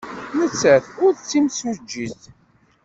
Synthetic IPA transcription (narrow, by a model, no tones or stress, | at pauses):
mət͡sːæθʊɾðt͡sːimsud͡ʒːiθ